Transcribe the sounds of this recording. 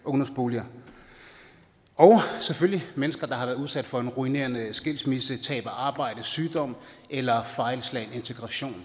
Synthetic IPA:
ʔɔ̽nɐsb̥o̝ːljɐ | ɒʊseføljimenəsɡ̥ɐd̥ɑ̈hɑ̈ʋæɐð̩ˠuð̞ˠsæd̥fɒ̽e̝nʁuine̝̰ːɐnəsɡ̥e̝lsmisət͡sʰɛ̰ːb̥ɐʔɑ̈ːb̥ɑ̈ɪ̰d̥əsyːd̥ɒ̽m̰ | ʔelɐfɑ̈ɪlslɛɪne̝nt͡sʰe̝ɡ̥ʁɑ̈ɕo̝̰ːn

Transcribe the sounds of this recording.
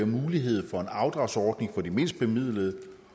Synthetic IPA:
ɐmuːliɦe̝ð̞̰ˠfɒ̽e̝nɑ̈ʊd̥ʁɑ̈ʊsɒːd̥ne̝ŋfɒ̽d̥ime̝n̰sd̥̚b̥e̝mið̰ˠləðˠ

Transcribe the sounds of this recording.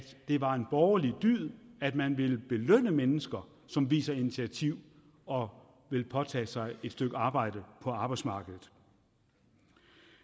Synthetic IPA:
d̥d̥e̝ʋɑ̈e̝nb̥ɒːɐlid̥yð̰ˠæd̥mænʋe̝lb̥e̝løn̰əmenəsɡ̥ɐ | sɒ̽mʋḭːsɐinit͡sʰiæt͡sʰiʊ̰ | ɒ̽ | ʋe̝lpʰɒ̽t͡sʰɛ̰ːsɑ̈ɪe̝d̥sd̥øɡ̥ɑ̈ːb̥ɑ̈ɪ̰d̥əpʰɒ̽ɑ̈ːb̥ɑ̈ɪd̥smɑ̈ːɡ̥əð̩ˠ

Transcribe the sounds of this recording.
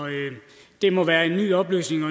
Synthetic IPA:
d̥e̝mɒ̽ʋæːɐe̝nːy̰ːɒ̽b̥ly̰ːsne̝ŋɒ̽

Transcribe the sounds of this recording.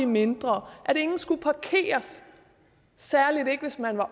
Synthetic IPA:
ime̝nd̥ʁɐʔæɾe̝ŋn̩sɡ̥upʰɑ̈kʰe̝̰ːɐs | æɐlide̝ɡ̥əʋe̝smænʋɑ̈

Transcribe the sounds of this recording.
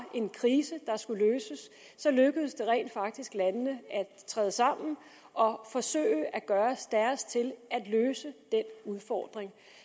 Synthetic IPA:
ʔe̝nkʰʁiːsəd̥ɑ̈sɡ̥uløːsəsː | ɒ̽løɡ̥əð̩ˠsd̥e̝ʁɛ̰ɪ̰ːnd̥fɑ̈ɡ̥̚d̥isɡ̥lænənəæt͡sʰʁɛ̰ːðˠəsɑ̈m̰n̩ | ɒ̽fɒ̽sø̰ːɪəʔæɡ̥ɶːɐsd̥æɐst͡sʰe̝læd̥løːsəd̥en̰uð̞ˠfɒ̰ːd̥ʁeŋ

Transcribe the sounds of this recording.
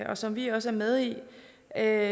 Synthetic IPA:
ɒ̽sɒ̽mʋiɒ̽s̬əæɐmeð̞ˠi | ø

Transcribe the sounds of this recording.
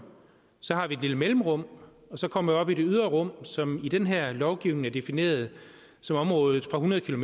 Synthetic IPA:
sɒ̽hɑ̈ʋie̝d̥liləmelm̩ʁɔ̽m̰ | ɒ̽sɒ̽kʰɒ̽m̰ɐʋiɒ̽b̥ide̝yð̞ˠʁɐʁɔ̽m̰sɒ̽mid̥enɦæɐ̰lɒʊɡ̥iʊneŋ̩æɐd̥e̝fine̝̰ːɐðˠ | sɒ̽mɒ̽mʁɔ̽ːðð̩ˠfʁɑ̈ɦunɐðˠkʰilo̝me

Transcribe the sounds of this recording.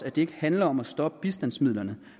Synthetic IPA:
æd̥e̝e̝ɡ̥əhænlɐɒ̽mæsd̥ɒ̽b̥əb̥isd̥æn̰smið̰ˠlɐnə

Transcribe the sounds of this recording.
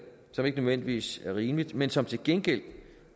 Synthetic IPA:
sɒ̽me̝ɡ̥ənøðˠʋen̰d̥iʋḭːsæɐʁiːmlid̥mensɒ̽mt͡sʰe̝lɡ̥enɡ̥el̰

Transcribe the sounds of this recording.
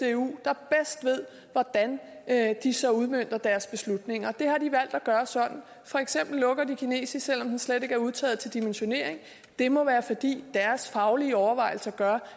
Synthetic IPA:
eṵːd̥ɑ̈b̥esd̥ʋe̝ð̰ˠ | ʋɒd̥æn | d̥isɒ̽uð̞ˠmøn̰d̥ɐd̥æɐsb̥e̝slud̥ne̝ŋɐd̥e̝hɑ̈d̥iʋæl̰d̥æɡ̥ɶːɐsɒ̽d̥n̩ | fɒ̽eɡ̥sem̰b̥l̩ːɔ̽ɡ̥ɐd̥ikʰine̝̰ːsisel̰ɒ̽md̥ensled̥e̝ɡ̥æɐuð̞ˠt͡sʰɛ̰ːð̩ˠt͡sʰe̝ld̥imenɕo̝ne̝ɐ̰e̝ŋ | d̥e̝mɒ̽ʋæːɐfɒ̽d̥ḭːd̥æɐsfɑ̈ʊliːəɒʊɐʋɑ̈ɪ̰l̩sɐɡ̥ɶɐ

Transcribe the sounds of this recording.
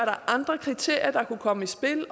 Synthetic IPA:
ɐɾɑ̈ʔɑ̈nd̥ʁɐkʰʁit͡sʰe̝̰ɐ̰jɐd̥ɑ̈kʰukʰɒ̽məisb̥e̝l

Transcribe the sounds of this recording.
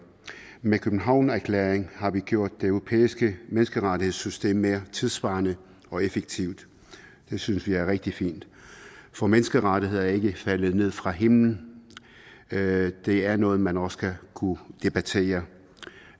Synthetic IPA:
mekʰøb̥n̩ɦɑ̈ʊ̰næɐkʰlḛːɐeŋhɑ̈ʋiɡ̥jo̝ɐ̰d̥̚ːe̝øʊʁo̝pʰḛːisɡ̥əmenəsɡ̥əʁɑdihe̝ð̰ˠsysd̥e̝̰ːmːe̝ːɐt͡sʰeðˠsʋɑ̈ːnə | ɒ̽efeɡ̥̚t͡sʰiʊd̥ | d̥e̝synəsʋiæɐʁɛɡ̥̚d̥ifḭːnd̥ | fɒ̽menəsɡ̥əʁɑɾ̥ihe̝ð̞̰ˠæɐe̝ɡ̥əfælð̩ˠne̝ð̞̰ˠfʁɑ̈ɦe̝mln̩ | d̥e̝æɐnɔ̽ːð̩ˠmænɒ̽sə̥kʰækʰud̥e̝b̥æt͡sʰe̝̰ːɐ

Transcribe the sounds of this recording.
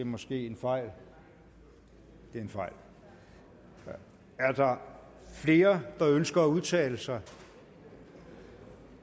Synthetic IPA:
e̝mɒ̽sɡ̥e̝̰ːe̝nfɑ̈ɪ̰l | d̥e̝enfɑ̈ɪ̰l | æɐd̥ɑ̈ | fle̝ːɐd̥ɑ̈ønsɡ̥ɐːuð̞̩ˠt͡sʰɛ̰ːləsɑ̈ɪ

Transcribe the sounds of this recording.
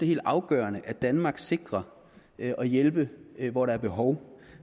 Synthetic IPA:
eɦe̝̰ːld̥ɑ̈ʊɡ̥ɶːɐnəʔæd̥ænmɑ̈ːɡ̥se̝ɡ̥ʁɐ | ʔɒ̽jelb̥əʋɒɾɑ̈æɐb̥e̝ɦɒʊ

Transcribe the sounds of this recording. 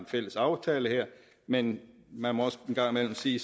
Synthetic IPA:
enfel̰əsɑ̈ʊt͡sʰɛːləheɐ̰ | men | mænmɒ̽ɒ̽səenɡ̥ɑ̈ŋ̰mel̰m̩siː

